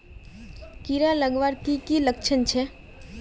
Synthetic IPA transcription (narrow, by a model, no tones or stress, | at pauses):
kiɾaləɡʋaɾkikiləkt͡ʃʰənt͡ʃʰe